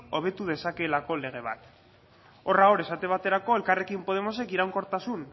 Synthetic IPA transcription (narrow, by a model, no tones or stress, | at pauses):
o̞β̞e̞t̪uð̞e̞sake̞lako̞le̞ɣ̞e̞β̞a̰t̪ | o̞raɣoɾe̞sat̪e̞βat̪e̞ɾako̞e̞lkare̞kimpo̞ð̞e̞mo̞se̞kiɾawŋko̞ɾt̪asun